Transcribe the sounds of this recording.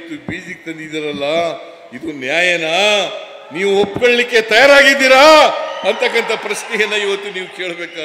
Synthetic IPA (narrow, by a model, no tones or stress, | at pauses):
t̪ːubiːsik̚t̪ɐnd̪id̪ɐɾɐlːɐ | id̪unjaːjɐnɐ | niːʋuopːkoɭɐlikːe̞t̪ɐjaːɾaːɡid̪ːiːɾaɐnt̪ʰɐkːɐnt̪ʰɐpɾɐʃnijɐnːɐiʋɐt̪ːuniːʋuke̞ːɭbe̞ːka